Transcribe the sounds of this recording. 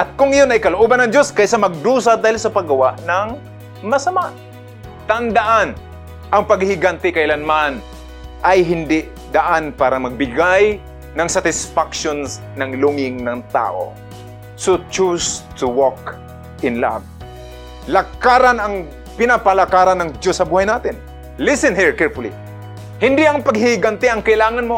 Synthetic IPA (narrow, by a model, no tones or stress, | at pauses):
ʔɐt̪̚kʊŋɪjonɐjkɐloʔoːbanɐŋd͡ʒ̪joskajsamɐɡ̚d̪uːsad̪aːhɪlsɐpaɡɐwaʔnaŋ | mɐsamaʔ | t̪and̪aʔan | ʔɐŋpaɡhɪɡant̪ɪkaʔɪlanman | ʔajɦɪnd̪ɪʔ | d̪aʔanpaːɾɐmɐɡ̚bɪɡaj | nɐŋsat̪ɪsfakʃon | nɐŋlʊŋɪŋnɐŋt̪a̰ːʔo̰ | sot͡ʃust̪ʰʊwɔk | ʔɪnla̰v̚ | lakaɾanɐŋ | pɪnapalakaɾanːɐŋd͡ʒosːɐbuːhajnaːt̪ɪn | lɪsɛnɦiɹkɛɹfʊlḭ | hɪnd̪ɪʔɐŋpɐɡhɪhɪɡant̪ɪɐŋkɐʔɪlaːŋanmo